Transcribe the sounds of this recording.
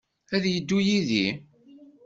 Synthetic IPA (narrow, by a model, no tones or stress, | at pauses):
æðjəd̪ːujiði